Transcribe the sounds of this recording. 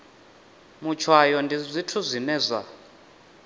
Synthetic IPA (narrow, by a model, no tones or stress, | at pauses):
mut͡ʃʰwajɔndʱizʷitʰuzʷinɛːzʷa̰